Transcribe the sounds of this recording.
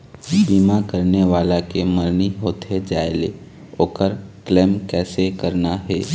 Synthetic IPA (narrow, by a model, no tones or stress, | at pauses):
biːmakəɾneʋaːlakeməɾniɦoːt̪ɦed͡ʒaːele | oːkəɾklɛːmkɛːsekəɾnaɦɛː